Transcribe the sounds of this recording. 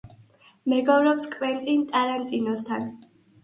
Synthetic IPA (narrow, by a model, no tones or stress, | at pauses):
mɛɡɔvɾɔpskʼvɛnt̪ʼint̪ʼaɾant̪ʼinɔst̪ʰan